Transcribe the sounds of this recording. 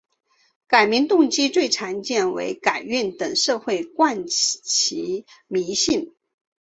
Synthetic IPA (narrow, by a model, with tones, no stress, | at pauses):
ka˨˩ɪmi˧˥ŋt̪ʊ˥˧ŋt͡ɕi˥t͡swe˥˩ɪʈ͡ʂʰa˧˥nt͡ɕjɛ˥˩nwḛ˧˥ɪka˨˩ɪy˥˩nt̪ɤ˨˩ŋʂɤ˥˧xwe˥˧ɪkwa˥˩nt͡ɕʰi˧˥ | mi˧˥ɕi˥˩n